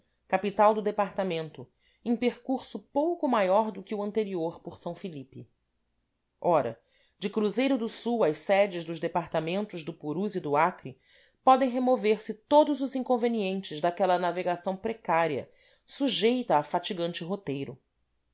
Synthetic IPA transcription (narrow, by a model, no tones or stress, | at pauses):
kapit̪awd̪ʊd̪epaɾt̪amẽnt̪ʊ | ẽj̃peɾkuɾsʊpowkʊmajɔɾd̪ʊkɪuɐ̃nt̪eɾioɾpʊɾsɐ̃w̃filipɪ | ɔɾɐ̰ | d͡ʒɪkɾuzejɾʊd̪ʊsuwɐjssɛd͡ʒɪʒd̪ʊʒd̪epaɾt̪amẽnt̪ʊʒd̪ʊpuɾuzid̪ʊakɾi | pɔd̪ẽj̃ɦemoveɾsɪt̪od̪ʊzʊzĩŋkõveniẽnt͡ʃɪzd̪akɛlɐnaveɡasɐ̃w̃pɾekaɾiɐ̰ | suʒejt̪ɐːfat͡ʃiɡɐ̃nt͡ʃɪɦot̪ejɾʊ